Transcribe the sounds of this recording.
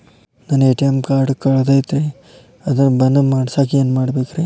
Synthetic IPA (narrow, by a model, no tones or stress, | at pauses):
naːneʈijemkaːɾɖkɐɭd̪ɐjt̪ɾe | ɐd̪ɐnbɐnːɐmaːɖsaːkieːnːmaːɽbeːkɾe